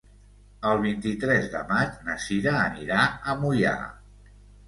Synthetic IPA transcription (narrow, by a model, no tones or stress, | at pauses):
əlˠβ̞int̪it̪ɾɛzðə̰mat͡ʃnəsiðaːniɾaəmuja̰